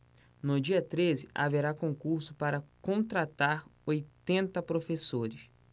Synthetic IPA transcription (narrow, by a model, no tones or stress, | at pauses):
nʊd͡ʒiɐt̪ɾezɪa̰veɾakõŋkuɾsʊpaɾɐkõnt̪ɾat̪aɾojt̪ẽnt̪ɐpɾofesoɾɪs